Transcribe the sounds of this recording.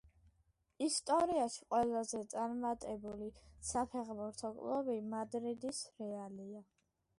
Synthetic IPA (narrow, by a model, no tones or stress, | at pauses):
ist̪ʼɔɾiaʃi̥qʼwɛlˠazɛt̪sʼaɾmat̪ʼɛbulisapʰɛʁbuɾt̪ʰɔkʼlˠɔbimad̪ɾid̪isɾɛalia